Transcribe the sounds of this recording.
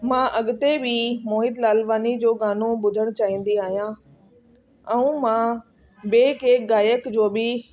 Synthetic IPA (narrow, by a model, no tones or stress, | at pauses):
mãːʔɐɠʊt̪ebimoːɦɪd̪laːlʋaːnid͡ʑoːɡaːnobʊd̪ʱəɽ̃t͡ɕaːɦĩːn̆d̪iaːɦijãː | ɛ̃ũmã | beːkeːɡaːjəkd͡ʑoːbɪ